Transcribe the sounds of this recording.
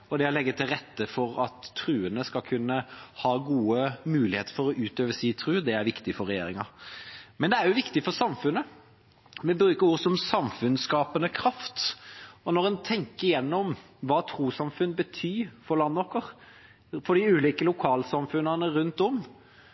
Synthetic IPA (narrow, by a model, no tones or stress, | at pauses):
ɔd̪ɛɔlɛɡːət̪ʰɪlɾɛt̪ːəfɔɾɑt̪ʰːɾʉːənəskɑlkʰʉnːəhɑːɡuːəmʉːlɪheːt̪əɾfɔɾɔʔʉːt̪øːʋəsiːt̪ʰɾʉːd̪ɛæɾʋɪkt̪ɪfɔɾɛjeːɾɪŋɑ | mɛnd̪ɛæɾjʊʋɪkt̪ɪfɔɾsɑmfʉnːə | ʋɛbɾʉːkəɾuːɾsɔmsɑmfʉnskɑːpənəkʰɾɑft̪ɔnɔɾɛnt̪ʰɛŋkəɾɪjɛnːɔm | ʋɑːt̪ʰɾuːsɑmfʉnbət̪ʰyːɾfɔɾlɑnːʋɔkəɾ | fɔd̪ɪʉːliːkəlʊkʰɑːlsɑmfʉnɑnəɾʉnt̪ɔm